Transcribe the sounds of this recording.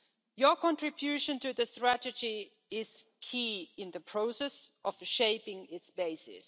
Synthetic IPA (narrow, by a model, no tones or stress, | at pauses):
jə˞kɔ̃ntɹ̥ɪbjʉʃə̃ntɨðɨstɹ̥ætɨd͡ʒi | ɪz̥kʰiɪ̃nðəpʰɹ̥oʊsɛsʔɔv̥ʃeɪpɪ̃ŋɪtsb̥eɪsɪ̰s